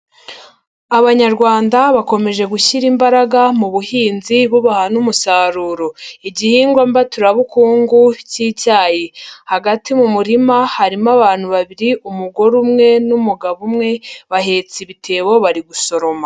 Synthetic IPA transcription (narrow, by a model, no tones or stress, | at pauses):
aβaɲaɾɡwaːndaβako̞me̞ʒe̞ɡuçiɾimbaɾaɡamuβuhiːnziβuβahanumusaːɾuːɾo̞iɟihiːŋɡwambatuɾaβukuːŋɡuciːcaːjehaɡatimumuɾimahaɾimaβaːn̥huβaβiɾiʔumuɡo̞ɾumŋe̞numuɡaβumŋe̞βaɦe̞t͡siβitʰe̞ːβo̞βaɾiɡuso̞ɾo̞ma